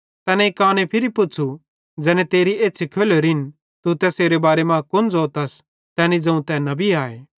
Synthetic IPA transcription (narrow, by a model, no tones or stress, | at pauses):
t̪ɛːnɛ̃ikaːñepʰɪɾipʊt͡ʃʰu | d͡ʒɛːnɛ̃t̪eːɾieːt͡ʃʰikʰeːloɾɪn | t̪ut̪ɛseːɾebaːɾemãkʊnd͡zoːt̪ɐs | t̪ɛːnid͡zɐ̃ũt̪ɛnɐbiaːeː